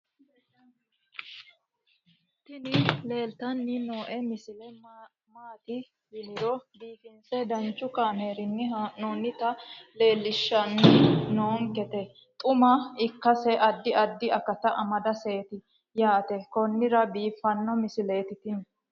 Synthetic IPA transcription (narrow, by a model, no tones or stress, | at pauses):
t̪ɪnɪle̞ːlt̪ɐnːɪnoːʔɛmɪsɪlɛ | maːt̪ɪ | jɪlɪɾɔbiːfɪnsɛd̪ɐnt͡ʃːʊkaːmeːɾɪnːɪnoːnːɪt̪ɐle̞ːlːɪʃːɐnːnoːŋkɛt̪ɛ | t̪ʼʊmɐɪkːɐsɛʔɐd̪ːɪɐd̪ːɪɐkɐt̪ɐʔɐmɐd̪ɐse̞ːt̪ɪ | jaːt̪ɛkɔnːɪɾɐbiːfːɐnːɔmɪsɪle̞ːt̪ɪt̪ɪn